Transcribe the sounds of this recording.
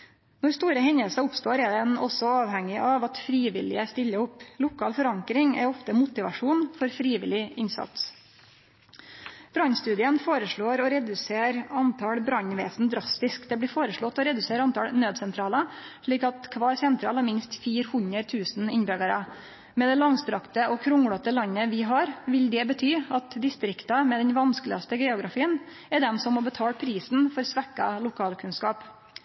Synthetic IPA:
nɔɾst̪uːɾəhɛɲəlsɑʊpst̪oːɾɛd̪ɛnɔ̰sɔɑːʋhɛŋːɪʔɑʋɑt̪fɾiːʋɪ̰lɪ̰əst̪ɪʎːəʊplʊkɑːlfɔɾɑŋkɾɪŋæ̰ɾɔft̪əmʊt̪ɪʋɑʂuːnfɔɾfɾiːʋɪ̰lɪɪnsɑ̰t̪s | b̥ɾɑɲst̪ʉːd̪ɪənfoːɾəʂɭoːɾɔɾɛd̪ʉseːɾɑnt̪ʰɑɽbɾɑɲʋeːsn̩d̪ɾɑst̪ɪskd̪ɛbliːfoːɾəʂɭɔt̪ːɔɾɛd̪ʉseːɾɑnt̪ʰɑ̰lnøːd̪sɛnt̪ʰɾɑːləʂɭiːkɑt̪kʰʋɑːɾsɛnt̪ʰɾɑ̰ːlɑmɪnst̪fiːɾhʉnəɾt̪ʰʉːsn̩ɪɲbœɡəɾə | mɛd̪ɛlɑŋst̪ɾɑkt̪əɔkʰɾʊŋɽɑt̪əlɑɲːəʋɪɦɑɾʋɪld̪ɛbət̪ʰyːɑt̪d̪ɪst̪ɾɪkt̪ɑmɛd̪ɛnʋɑnskəlɪɑst̪əɡɛːʊɡɾɑfiːən | ɛɖɛmsɔmmɔbət̪ʰɑːɽpʰɾiːsn̩fɔɾsʋɛkːɑlʊkʰɑːlkʰʉnskɑːp

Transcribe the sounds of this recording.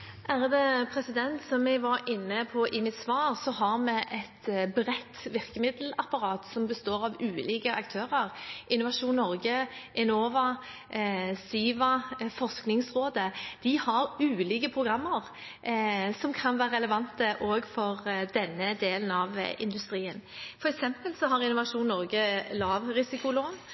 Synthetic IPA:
ʔæːɾəd̪ɛpʰɾɛsɪd̪ɛnt̪sɔmjɛɡʋɑɾɪnːəpʰɔʔɪmɪt̪sʋɑːʁsɔɦɑʁmɛʔɛt̪bɾɛt̪ːʋɪʁkəmɪd̪əl̩ɑpɑɾɑːt̪sɔmbəst̪oːʁɑʋʉːliːkəʔɑkt̪ʰøːʁəʁʔɪnːʊʋɑʂuːnːɔʁɡəʔɛnoːʋɑ | siːʋɑfɔsknɪŋsʁoːd̪əd̪̥ɪhɑɾʉːliːkəpʰɾʁʊɡʁɑmːəʁ | sɔmkʰɑnʋæːɾəʁɛləʋɑnt̪əʔoːɡfɔʁd̪ɛnːəd̪eːlənɑʋɪ̰nd̪ʉst̪ɾiːənfɔɾɛksɛmpəlsɔɦɑɾɪnʊʋɑʂuːnnːɔʁɡəlɑːʋɾɪsɪkʊloːn

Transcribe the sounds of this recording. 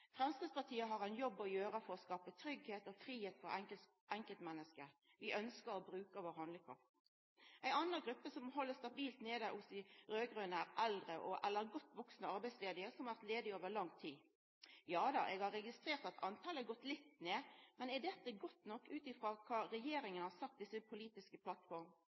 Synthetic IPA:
fɾɛmskʁɪd̪spʰɑʁt̪ʰiːəɦɑʁæɪnjɔbːɔjøːɾəfɔɾɔskɑːpət̪ʰɾʏɡheːt̪ɔfɾiːheːt̪fɔɾɛŋə | ɛŋkəlt̪mɛnːəskəʋɪʔœnskəɾɔbɾʉːkəʋoːɾhɑnd̪lɪkʰɾɑ̰ft̪ | ʔæɪnɑnːəɡɾʉpːəsɔmɦɔlːəst̪ɑbiːlt̪neːd̪əʔʊsɪɾøːɡʁʉːnæɾɛld̪ɾəʔɔʔɛlːəɾɡɔt̪ːʋɔksnəɑɾbæɪsleːd̪ɪəsɔmhɑʋæʁt̪leːd̪ɪoːʋəɾlɑŋːt̪ʰiː | jɑːd̪ɑʔɛɡhɑɾɛɡɪst̪ɾeːɾt̪ɑt̪ʰɑnt̪ʰɑːləɡɔt̪ːlɪt̪ːneːmɛnɛɖ̪ɛt̪ːəɡɔt̪nɔkːʉːt̪ɪfʁɑːkʰɑːɾɛjeːɾɪŋənəhɑsɑk̚t̪̚d̪ɪsəpʰʊliːt̪ɪskəpʰlɑt̪fɔɾm

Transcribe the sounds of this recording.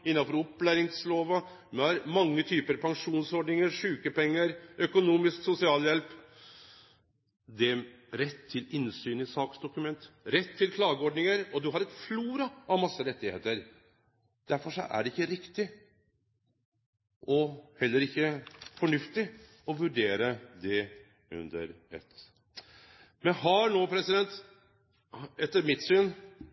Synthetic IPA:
ɪnːɑnfɔɾʊpːlæːɾɪŋsloːʋə | mɛhɑɾmɑŋːət̪ʰyːpəɾpʰɑŋʂuːnsɔɖnɪŋəɾʂʉːkəpɛŋːəɾœkʊnuːmɪsksʊsɪɑːljɛlp | d̪ɛ | ɾɛt̪ʰːɪlɪnsyːnəsɑːksd̪ʊkʉmɛnt̪ɾɛt̪ʰːɪlkʰlɑːɡəɔɖnɪŋəɾɔd̪ʉɦɑɾɛt̪fluːɾɑɑʋmɑsːəɾɛt̪ːɪhḛːt̪əɾ | d̪̥æɾfɔʂɔ̰ʔæ̰ɖɛɪkːəɾɪkt̪ɪ | ʔɔhɛlːəɾɪkːəfɔɳʉft̪ɪ | ɔʋʉɖeːɾəd̪ɛ | ʉ̰nd̪əɾɛ̰t̪ | mɛnhɑɳoːpʰɾɛsɪd̪ɛnt̪ | ɛt̪ːəɾmɪt̪syːn

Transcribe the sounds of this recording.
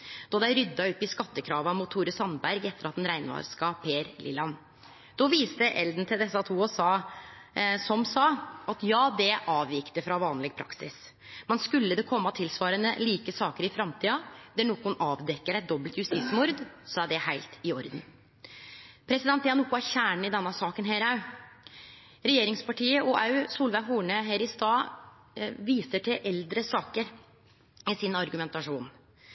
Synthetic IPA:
d̪̥ɑd̪æɪɾʏd̪ːɑʉpːɪskɑt̪ːəkʰɾɑːʋɑmʊt̪ʰːuːɾəsɑnbæɾɡɛt̪ːəɾɑt̪̚d̪ɛnɾæɪnʋɑ̰ːɾskɑpʰeːɾlʔɪ̰lɑn | d̪̥ɔʋiːst̪əʔɛld̪n̩t̪ɪld̪ɛsːɑt̪ʰuːɔsɑː | sɔmsɑːɑt̪jɑːd̪ɛʔɑːʋɪkt̪əfɾɑʋɑːnlɪɡ̚pʰɾɑ̰ksɪs | mɛnskʉlːəd̪ɛkʰɔmːɑt̪ʰɪlsʋɑːɾənəliːkəsɑːkəɾɪfɾɑmt̪ʰiːɑd̪̥æɳɔkːʊnɑːʋd̪ɛkːəɾæɛɪt̪̚d̪ɔblt̪jʉst̪ɪt̪smʊɾd̪sɔæɖɛhæɪlt̪ɪɔɾd̪n | pʰɾɛsɪd̪ɛnt̪jɑnʊkːʊɑçæːɳɳ̩ɪd̪ɛnːɑsɑːkənɦeːɾɑʉ | ɾɛjeːɾɪŋspɑʈʰiːəʔɔʔɑʉsuːlʋæɪɦuːɳəɦeːɾɪst̪ɑː | ʋiːsəʈʰɪlʔɛld̪ɾəsɑːkəɾ | ɪsɪnɑɾɡʉmɛnt̪ɑʂuːn

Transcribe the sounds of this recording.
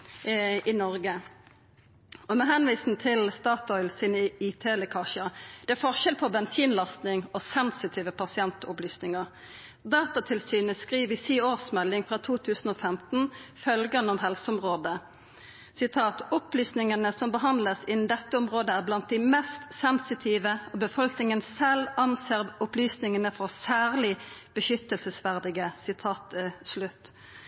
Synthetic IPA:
ɪnɔʁɡə | ɔmɛɦɛnʋiːsn̩t̪ʰɪlst̪ɑːt̪ɔʏlsiːnəit̪ʰeːɛləkʰɑːʃəd̪̥ɛæɾfɔʁʃɛlpʰɔbɛnsiːnlɑst̪nɪŋɔsɛnsɪt̪ʰiːʋəpʰɑsɪɛnt̪ɔplyːsnɪŋəʁ | d̪ɑːt̪ɑt̪ʰɪlsyːnəskʁiːʋɪsiːoːʁsmɛlːɪŋfʁɑt̪ʰuːt̪ʰʉːsn̩oːfɛmt̪n̩fœlɡənəɔmɦɛlsəɔmʁoːd̪ə | sɪt̪ʰɑːt̪ɔplyːsnɪŋənəsɔmbəɦɑnd̪ləsɪnn̩d̪ɛt̪ːəɔmʁoːd̪əæʁblɑnt̪̚d̪æɪmɛst̪sɛnsɪt̪ʰiːʋəɔbəfɔlknɪŋənsɛlɑnseːʁʊplyːsnɪŋənəfɔʁsæːʁlɪb̥əʃʏt̪ːəlsəsʋæʁd̪ɪɡəsɪt̪ʰɑːt̪slʉt̪ː

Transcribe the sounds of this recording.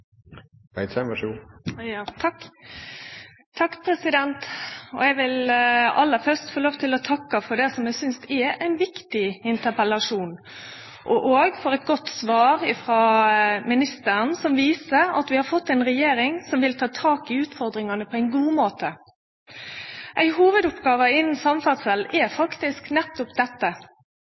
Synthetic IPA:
ʋæɪd̪sɛməʃuːjɑːt̪ʰɑkː | t̪ʰːɑkːpʰɾɛsɪd̪ɛnt̪ɔ̰ɛɡʋɪlɑ̰lːəfœʁst̪foːloːʋt̪ʰɪlɔt̪ʰɑkːəfɔɖ̪ɛsɔmɛsʏnst̪ɛæɪnʋɪkt̪ɪɪnt̪əpəlɑʂuːn | ʔɔʔoːɡfɔɾɛt̪ɡɔt̪ːsʋɑːɾɪfɾɑmɪnɪst̪əɾnsɔmʋiːsəɾɑ̰t̪ʋɪhɑɾfɔt̪ːæɛɪnɾɛjeːɾɪŋsɔmʋɪlt̪ʰɑːt̪ʰɑːkɪʉːt̪fɔɾd̪ɾɪŋɑnəpʰɔæɪnɡuːmoːt̪ə | ʔæɪɦuːʋəd̪ʊpɡɑːʋəɪnn̩sɑmfɑsəlɛɾfɑkt̪ɪsknɛt̪ːʊpd̪ɛt̪ːə

